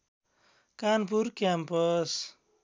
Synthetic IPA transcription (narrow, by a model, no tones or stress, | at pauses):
kanpuɾkjampʌs